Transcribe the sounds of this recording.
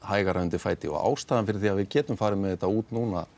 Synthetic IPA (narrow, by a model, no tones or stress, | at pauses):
haːjɣaɾœʏnt̪ɪfaːjt̪ɪɔ̰ɣa̰ːwst̪aːðanfɪɾɪ̥ɾ̥θiaðvɪðcɛːt̪ʏmfaːɾɪmːɛðɛt̪ːauːt̪nuːna̰